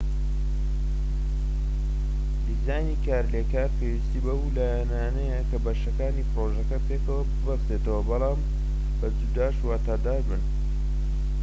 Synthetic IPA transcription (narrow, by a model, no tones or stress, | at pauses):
d̪izaːjnikaːɾleːkaːɾpewist̪iːbɐwlaːjanaːnɐjɐkɐbɐʃɐkaːniːpɾoʒɐkɐpeːkɐwɐbɨbɐst̪eːt̪ɐwɐbɑlˠɑːm | bɐd͡zud̪aːʃwaːt̪aːd̪aːɾbɨn